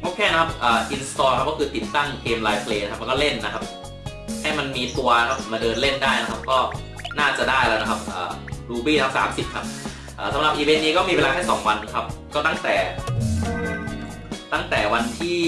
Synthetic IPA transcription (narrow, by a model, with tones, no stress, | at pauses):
ʔʰo˦˥˩kʰɛː˥˩na˥kʰa˦˥p̚ʔaː˨˩ʔi˧nst̪ɔː˧kʰa˦˥p̚kɔː˥˩kʰɯː˧t̪i˨˩t̪ːa˥˩ŋkʰeː˧mlaː˧jpʰleː˧na˥kʰa˦p̚m˧kɔ˥˩le˥˩nːa˦˥kʰa˦˥p̚ | ha˥˩jma˧nmiː˧t̪u˧ɐkʰa˦˥p̚maː˧dɤː˧nle˥˩ndaː˥˩jna˦˥kʰa˦˥p̚kɔː˥˩ | naː˥˩t͡ɕa˨˩daː˥˩jlɛː˦˥˩na˦˧kʰa˦˥p̚ʔɤ̰ː˨˩duː˧biː˥˩a˦˥saː˩˦msi˨˩p̚kʰa˦˥p̚ | ʔɤː˨˩sa˩˦mɾa˨˩p̚ʔiː˧we˧nːiː˦˥kɔː˥˩miː˧we˧laː˧t̪ʰɛː˥˩sɔ̰˩˦ŋwa˧nkʰa˦˥p̚kɔː˥˩t̪a˥˩ŋt̪ɛː˨˩ | t̪a˥˩ŋt̪ɛː˨˩wa˧nt̪ʰiː˥˩